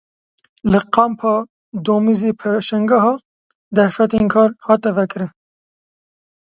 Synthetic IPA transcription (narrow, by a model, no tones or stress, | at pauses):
lɨqɑmpʰɑː | d̪oːmizeːpʰeʃɛŋɡɑɦɑː | d̪ɛɾfɛt̪eːnkʰɑːɾhɑːt̪ɛvɛkɨɾɨn